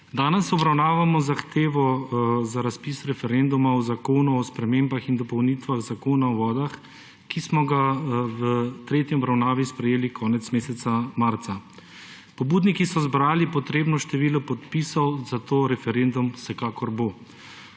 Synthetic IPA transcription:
d̪aːnɛsɔbɾawnaːʋamɔzaxt̪eːʋɔzaɾaspisɾɛfɛɾend̪umaɔzakoːnuɔspɾɛmeːmbaxind̪ɔpɔwniːt̪ʋaɣzakoːnaɔʋɔːd̪ax | kismɔɡawət̪ɾeːt̪jiɔbɾawnaːʋispɾɛjeːlikʰɔːnɛt̪smeːsɛt̪samaɾt̪sa | pɔbuːd̪nikisɔzbɾaːlipɔt̪ɾeːbnɔʃt̪ɛʋiːlɔpɔt̪pisɔwzat̪oːɾɛfɛɾend̪umsɛkaːkɔɾbo

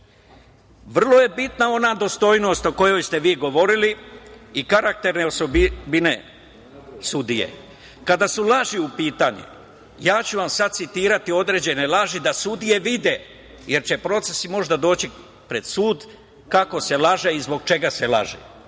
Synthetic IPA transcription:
ʋr̩lˠo̞je̞bit̪nao̞naːd̪o̞st̪o̞jno̞ːst̪o̞ko̞jo̞jst̪e̞ʋiːɡo̞ʋo̞ɾiliikaɾak̚t̪e̞ɾne̞osobbine | sud̪ijḛ | kad̪asulˠaʒiupiːt̪aɲḛ | jaːt͡ɕuʋamsad̪̚t̪sit̪iːɾat̪io̞d̪ɾe̞ːd͡ʑe̞ne̞laʒid̪asud̪ije̞ʋid̪e | jeɾt͡ɕe̞pɾo̞t̪sesimo̞ʒd̪ad̪o̞ːt͡ɕi | pɾe̞d̪̥suːd̪ | kako̞se̞laʒeizbo̞ɡ̚t͡ʃe̞ɡasela̰ʒḛ

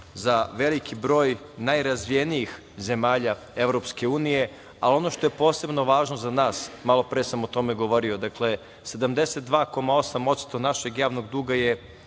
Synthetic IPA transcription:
zaʋe̞likibɾo̞ːj | najɾazʋijeniix | ze̞maːʎa | e̞ʋɾo̞pske̞uːnije̞ | alo̞no̞ʃt̪o̞je̞po̞ːse̞bno̞ʋaːʒno̞zanaːsmalˠo̞pɾejesamot̪o̞me̞ɡo̞ʋo̞ɾio̞d̪akle̞ | se̞d̪amd̪e̞set̪̚d̪ʋaːko̞mao̞samo̞t̪st̪o̞naʃe̞ɡjaːʋno̞ɡd̪uːɡaje̞

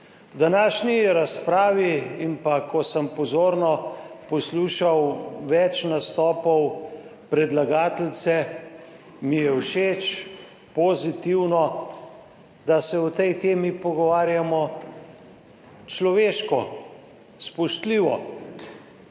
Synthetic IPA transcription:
wd̪anaːʃniɾaspɾaːʋiimpakɔsəmpɔzoːɾnɔpɔsluʃawʋɛt͡ʃnast̪ɔːpɔwpɾɛd̪laɡaːt̪lt̪sɛ | mijɛwʃeːt͡ʃ | pɔzit̪iwnɔ | d̪asɛwt̪ɛjt̪eːmipɔɡɔʋaːɾjamɔ | t͡ʃlɔʋeːʃkɔ | spɔʃt̪liːʋɔ̰

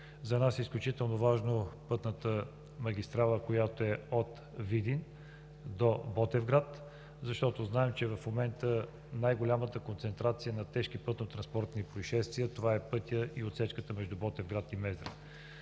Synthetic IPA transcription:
zɐnasɛisklʲut͡ʃit̪ɛlˠnovaʒnopɤt̪nət̪ə | mɐɡ̟ʲist̪ɾalˠəkojat̪oɛot̪ | vid̪in | d̪obɔt̪ɛvɡɾat̪ | zɐʃt̪ɔt̪oznaɛmt͡ʃɛvɐfmomɛnt̪ə | najɡolʲamət̪əkont̪sɛnt̪ɾat̪sijənɐt̪ɛʃkipɤt̪not̪ɾɐnspɔɾt̪nipɾoiʃɛst̪viət̪ovaɛpɤt̪ʲjəiot̪sɛt͡ʃkət̪əmɛʒd̪ubɔt̪ɛvɡɾat̪imɛzd̪ɾə̰

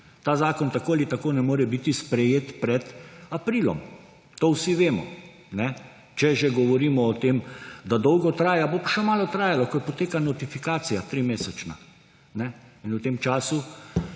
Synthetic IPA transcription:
t̪aːzaːkɔnt̪akoːalit̪akoːnɛmoːɾɛbit̪ispɾɛjeːt̪pɾɛt̪apɾiːlɔ̰m | t̪oːwsiʋeːmɔ̰ | nɛ | t͡ʃɛʒɛɡɔʋɔɾiːmɔːt̪eːmd̪ad̪ɔwɡɔt̪ɾaːjabopḁʃɛmaːlɔt̪ɾaːjalɔkɔjpɔt̪eːkanɔt̪ifikaːsijat̪ɾimeːsɛt͡ʃna̰ | nɛinut̪eːmt͡ʃaːsu

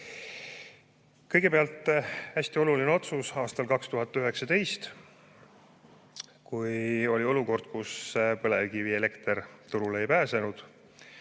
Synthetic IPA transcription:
kɤjɡ̥e̞peɑlt̪ːˑæsʲt̪io̞lulineo̞t̪susɑːst̪ɑlkɑkst̪uɦɑt̪ːˑyɦe̞ksɑt̪e̞jst̪ | kujo̞lʲio̞luko̞rd̪̥̚kuspɤle̞vkiviele̞kt̪ert̪uɾulejpæːse̞nud̪̥

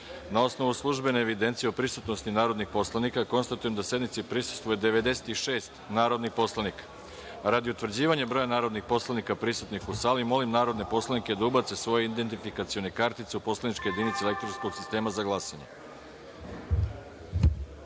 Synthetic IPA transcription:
nao̞sno̞ʋuslˠuʒbe̞neːʋid̪ent̪sijeopɾisut̪nost̪inaːɾo̞d̪nixpo̞slanikako̞nst̪at̪uje̞md̪asje̞d̪mit̪sipɾisu̥st̪ʋujed̪e̞ʋe̞d̪e̞se̥t̪iʃe̞ːst̪naːɾo̞d̪nixpo̞slˠanikḁ | ɾad̪iut̪ʋr̩d͡ʑiːʋaɲebɾojanaːɾo̞d̪nixpo̞slanikapɾisut̪nixusaːlimo̞limnaːɾo̞d̪ne̞po̞slˠaniked̪aubat̪sesʋo̞jeind̪e̞nt̪ifikat̪sio̞nekaɾt̪it̪seupo̞slˠanit͡ʃkeje̞d̪iːnit̪selek̚t̪ɾonskoɡsist̪e̞ːmazaɡlˠaːsaɲe

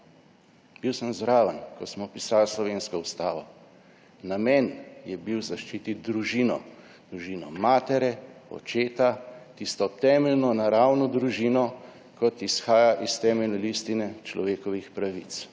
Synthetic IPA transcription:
biwsəmzɾaːʋənkɔsmɔpisaːlslɔʋeːnskɔust̪aːʋɔ | namɛːnjɛbiwzaʃt͡ʃit̪id̪ɾuʒiːnɔ̰ | d̪ɾuʒiːnɔ̰maːt̪ɛɾɛɔ̰t͡ʃeːt̪at̪ist̪ɔt̪ɛːmɛlnɔnaɾaːwnɔd̪ɾuʒiːnɔ | kɔt̪isxaːjaʔist̪ɛːmɛlnɛlist̪inɛt͡ʃlɔ̰ʋeːkɔʋixpɾaʋit̪s

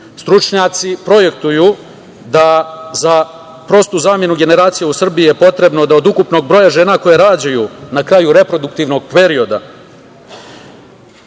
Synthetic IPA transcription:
st̪ɾut͡ʃɲat̪sipɾo̞je̞k̚t̪uju | d̪aza | pɾo̞st̪uzaːmje̞nuɡe̞ne̞ɾaːt̪sijeusr̩biije̞po̞t̪ɾe̞bno̞d̪aod̪ukupno̞ɡ̚bɾo̞jaʒe̞ːnako̞jeɾaːd͡ʑajunakɾaːjuɾe̞pɾo̞d̪ukt̪iʋno̞ɡ̚pe̞ɾio̞d̪a

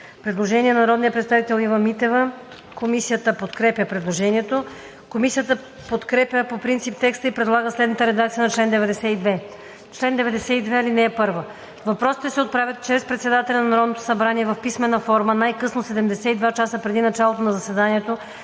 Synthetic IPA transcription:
pɾɛd̪lˠoʒɛniɛnɐnɐɾɔd̪nijəpɾɛt̪st̪avit̪ɛlˠivəmːit̪ɛvə | komisijət̪əpot̪kɾɛpʲjəpɾɛd̪lˠoʒɛniɛt̪o | komisijət̪ə | pot̪kɾɛpʲjəpopɾint̪sip̚t̪ɛkst̪əipɾɛd̪lˠaɡəslɛd̪nt̪əɾɛd̪ak̚t̪siənɐt͡ʃlɛnd̪ɛvɛd̪ɛsɛid̪vɛ | t͡ʃlɛnd̪ɛvɛd̪ɛsɛid̪vɛilinɛːpɤɾvə | vɐpɾɔsi̥t̪ɛsɛot̪̚pɾavʲjət̪t͡ʃɾɛspɾɛt̪sɛd̪at̪ɛlʲɛnɐnɐɾɔd̪not̪o̥sɐbɾaniɛvɐfpismɛnəfɔɾmənajkɤsnosɛd̪ɛmd̪ɛsɛid̪vat͡ʃasəpɾɛd̪inɐt͡ʃalˠot̪onɐzɐsɛd̪aniɛt̪o

